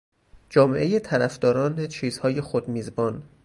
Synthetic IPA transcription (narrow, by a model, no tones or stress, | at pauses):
d͡ʒɒːmeʔe̞jet̪ʰæɾæfd̪ɒːɾɒːnet͡ʃʰiːzhɒːje̞xod̪miːzbɒːn